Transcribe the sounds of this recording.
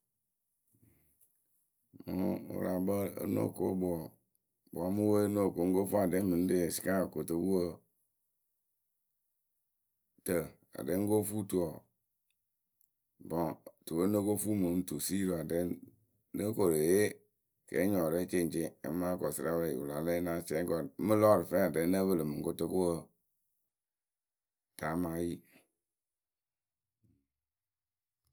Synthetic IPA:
mu˦wṵ˦la˨bə˦ə̰˦no̰˦˨ko˦bu˨˦ɔ˨ | b̰a˨˦mu˦we˦no˦˨ko˨˦ŋ̩˦ɡo˦fu˦a˨dɛ˦mi˨n̩˦de˦e˨si̥˨˦ka˦˨ko˨tə˨˦wu˦ə˦˨ | tə˨ | a̰˨de˦ŋ˦ɡo˦fu˦tu˦ɔ˨ | bɔ̃˨tu˨wə˦nə˦ko˦fu˦mu˨˦n̩˦tu˨si˦ɾo˨a˨dɛ˨˦ | nə˦ko˨ɾe˨je˦ | kɛ̰˨˦ɲɔ˨ɾɛ˦t͡ʃe˦˨n˨t͡ʃḛ˦maː˦kɔ˨sɨ˦ɾa˦wɾɛ˨ḭ˨ṵ˨la˨lɛ˦na˦t͡ʃɛ˦ŋ˦kɔ˨˦mə˦lɔ˦˨ɾɪ˨fɛ˦˨a˨dɛ˨nə˦bə˦lə˨mɨ˨ŋ˦ko˦tə˦ko˦wə˦˨ | ta˨˦ma˦ji˦

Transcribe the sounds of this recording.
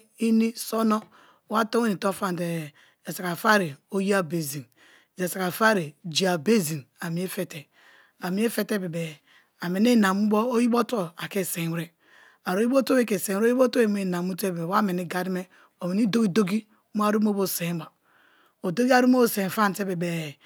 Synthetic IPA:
i˦ni˦so˦no˦ | wa˦to˦e˦ni˨to˦fa˦n˨te˨ | e˨sa˨ka˨fa˦ɾe˨o˦ji˦a˨be˨zi˨n | d͡ʒe˨sa˨ka˨fa˦ɾe˨d͡ʒi˨a˨be˦zi˨na˨mi˨˦e˦fe˨te˨ | a˨mi˦e˦fe˦te˦be˨be˨ | a˨me˨ne˦na˨mu˦bo˦o˦ji˦bo˦to˦a˨ke˦˨se˨˦ɾe˦ | a˨ɾo˦ji˦bo˦to˦e˦ke˨se˨˦i˦o˦to˦e˦e˨na˨mu˦te˦be˨e˨wa˦me˨ni˦ɡa˦di˦me˦ | o˨me˨ni˦do˦ɡi˦do˦ɡi˦ | mo˦a˦˨ɾu˦m˦o˦bo˦˨se˨˦ba˨ | o˨do˦ɡi˦a˦ɾu˦m˦o˦bo˦˨se˨fa˦n˨te˦be˨be˨

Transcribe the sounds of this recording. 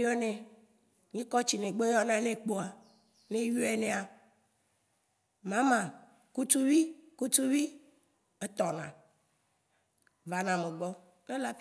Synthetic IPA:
jɔ˦nẽ˨ | ɲĩ˦kɔ˦t͡ɕi˨nẽ˨ɡ͡be˦jɔ˦nã˦nẽ˦k͡po˦a˨ | nẽ˦ju˦ɛ˦˨nẽ˨a˨ | mã˦mã˨ | ku˦t̪u˦vi˦ku˦t̪u˦vi˦ | e˦t̪ɔ˨nã̰˨ | va˨nã˨me˨ɡ͡bɔ˦ | nẽ˦la˦f

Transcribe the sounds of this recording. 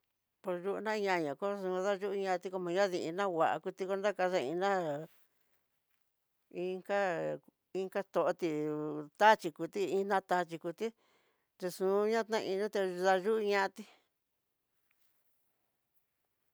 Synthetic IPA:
po˧ɾʒu˦ʔu˧nã˦˧ɲã˧ɲã˨ko˦sũ˧ða˦ʒu˦ʔɲã˧t̪i˧ko˧mã˧ɲã˦ði˧i˧nã˦wʷa˨ʔa̰˧ku˧t̪i˧ko˧nda˦ka˧ða˧ĩ˧nã˦ | ĩ˧ŋka˦ | i˧ŋka˦st̪o˨ʔo˧t̪i˧t̪a˦t͡ʃi˧ku˧t̪i˦ĩ˦nã˦t̪a˧t͡ʃi˧ku˧t̪i˦ | t̪e˧sũ˨˧˦ɲã˦t̪nã˧ĩ˧nũ˦t̪e˧ða˧ʒu˦u˧ɲã˦˧a˧t̪i˦

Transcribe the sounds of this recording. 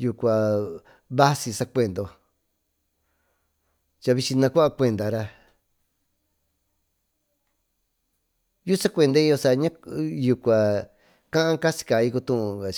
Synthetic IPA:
ju˧kʷa˨ | βa˦si˧sa˧kʷe˧˨nd̪o˧ | t͡ʃa˧βi˧t͡ʃĩ˧nã˧kʷa˦a˧kʷe˧nd̪a˨ɾa˧ | ju˦sa˦kʷe˧˨nd̪o˧˦i˧jo˧sa˧ɲã˦ju˧kʷa˨ | kã˦ʔã˦ka˦si̥˧ka˨i˧ku˧t̪ũ˧ũ˧a˨

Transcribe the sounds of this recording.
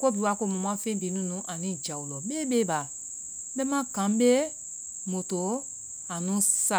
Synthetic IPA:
ko˦bi˨˦a˧˦ko˧˨mũ˨m̃˦ã˦fẽ˦bi˨˦nũ˨˦nũ˨˦ʔa˨nĩ˨˦˨d͡ʒa˨wu˨lɔ˨ɓeː˦ɓeː˦ɓa˨ | ɓɛ˦mã˦ɡã˨˦m˦ɓe˦ | mo˨to˨˦ | a˨nũ˦sa˦˨

